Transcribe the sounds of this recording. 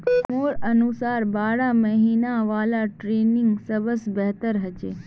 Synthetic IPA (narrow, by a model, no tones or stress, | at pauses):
moːɾɐnusaːɾbaːɽaməɦiːnaʋaːlaʈɾeːnɪŋɡsɐbəsbɛɦt̪əɾɦɐd͡ʒeː